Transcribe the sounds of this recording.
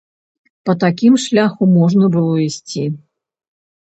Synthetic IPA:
pɐt̪akʲimʂlʲaxumɔʐnɐbɨlˠɔisʲt͡sʲi

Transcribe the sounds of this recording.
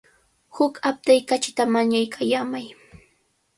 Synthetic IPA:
hʊkap̚t̪ajkat͡ʃɪ̥t̪amaɲajkʰajamaj

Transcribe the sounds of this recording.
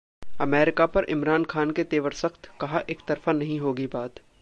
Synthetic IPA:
ɐmɛːɾɪkapɐɾʔɪ̰mɾaːnxaːnket̪eːʋəɾsɐxt̪kɐɦaʔeːkt̪ɐɾfanɐɦĩɦoːɡibaːt̪

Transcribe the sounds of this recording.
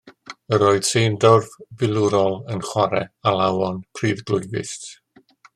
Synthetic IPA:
əɾɔːɨd̥sendɔrvvɪlˠʊɾɔlˠənχwaɾɛalˠawɔnpʰriːðɡlˠʊjɡɪ̰st

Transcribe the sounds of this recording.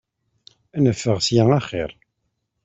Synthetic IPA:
ænəfːəʁsjæaχɪ̰ɾˤ

